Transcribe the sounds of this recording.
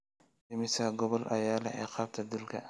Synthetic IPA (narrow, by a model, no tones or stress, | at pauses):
ɪmɪsɐɡɔβɔlʔɐjaːlɛʕɛːqɑːb̚t̪ʰɐd̪ɪlkʰɐ̰